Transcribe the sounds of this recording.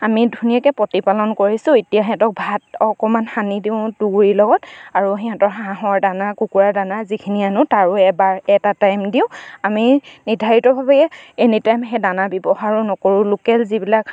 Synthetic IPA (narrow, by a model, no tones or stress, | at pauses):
amidʱunijakɛpɔtipalɔnkoɹisʊ̃itijaɦɛ̃tɔk̚bʱatɔkɔmanxanidiʊ̃duɡɹilɔɡɔtaɹuɦɛɦɛ̃tɔɹɦãɦɔɹdanakukuɹadanazikʰinianʊtaɹʊɛbaɹɛtatajmdiʊ̃aminidʱaɹitɔbʱabɛɛenitajmɦɛdanabɔbɔxaɹʊnɔkoɹʊlukɛlzibilak